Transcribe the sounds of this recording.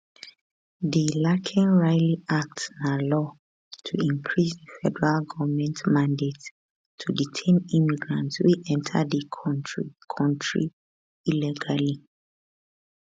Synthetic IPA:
ðilakʰɛ̃nɹaɪliak̚tnalɔ | tʰuĩmpʰɹisðəfɛdəɹalɡɔvəmɛ̃ntmãndetʰː | uditʰẽnimiɡɹãntswiʔɛ̃ntʰə̰dikʰɔnɹikʰɔ̃ntɹḭ | ilɛɡali

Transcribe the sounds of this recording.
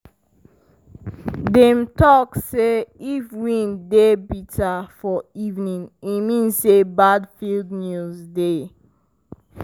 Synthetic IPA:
dɛ̃mtɔkseifɹĩndebitʰafɔivnĩnimĩnsebadfildnjuzde

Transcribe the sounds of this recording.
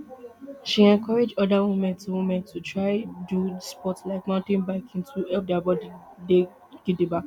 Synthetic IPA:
ʃiɛ̃nkʰɔɹed͡ʒɔdawumɛ̃ntʰuwũmɛ̃ntʰutʰɹaɪduspɔtslaɪk̚mãʊ̃ntẽnbaɪkĩntuɛfdabɔdide | ɡ̥idiba

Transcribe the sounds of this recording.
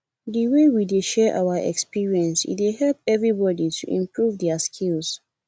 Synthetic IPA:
dəwewideʃɛʔa̰waʔɛ̰kspiɹiɛ̃nsḭt̚deɦɛlp̚ɛvɹibɔditʰuʔḭ̃mpʰɹuvdɛaskʰilz̥

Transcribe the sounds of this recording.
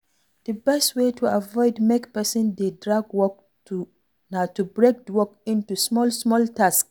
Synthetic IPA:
d̥əbɛstwetʰuavɔɪdmekpɛsɪ̃ndedɹaɡwɔk̚ | tʰu | natubɹek̚dəwɔkĩntusmɔlsmɔltʰask

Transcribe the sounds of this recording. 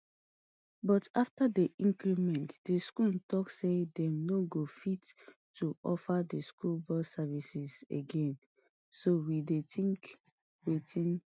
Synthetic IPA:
bɔtaftadeʔĩŋkɾimɛ̃ntd̥eskultɔksedɛ̃mnoɡofitː | uʔɔfadeskulbɔsavisisḛɡɛ̃n | sowidetʰĩŋk | wetʰĩn

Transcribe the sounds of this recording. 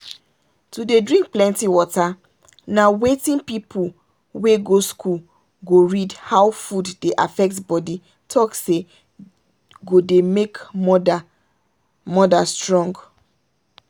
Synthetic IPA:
tudedɹĩŋk̚plɛ̃ntiwɔta | nawetĩnpipʰul | weɡoskʰul | ɡoɹidhawfuddeʔa̰fɛk̚tbɔdi | tʰɔkse | ɡodemek | mɔdastɹɔ̃ŋɡ

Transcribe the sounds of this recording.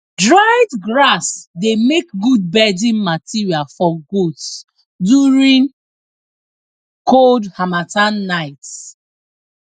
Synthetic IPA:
dɹaɪdɡɹasdemek̚ɡud̚bɛdĩnmatʰiɹialfɔɡuds | djuɹĩŋ | kʰoldhamatãnːaɪt

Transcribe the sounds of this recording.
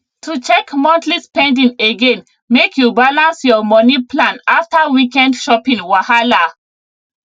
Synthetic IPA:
tʰut͡ʃɛkmɔ̃ntlispɛ̃ndĩŋeɡẽn | mekjubalãnsjɔmɔnipʰlãnaftawikɛ̃ndʃɔpĩŋwahala

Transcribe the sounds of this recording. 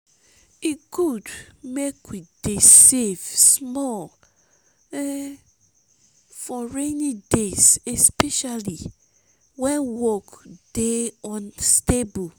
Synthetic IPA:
ikudmekwidesevsmɔl | ɛ | fɔɹenidesɛspɛʃali | wɛ̃nwɔkd̥eɔ̃nstebu

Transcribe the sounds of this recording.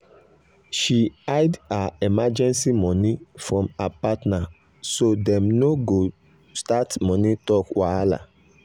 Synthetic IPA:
ʃiaɪdaɛmad͡ʒɛ̃nsimɔ̃nifɹɔ̃mapatna | sodɛ̃mnoɡo | statmɔ̃nĩtɔkwaala̰

